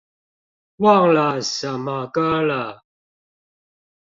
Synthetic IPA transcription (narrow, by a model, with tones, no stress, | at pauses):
wa˥˨ŋla˨sa˨ma˨ka˦la˨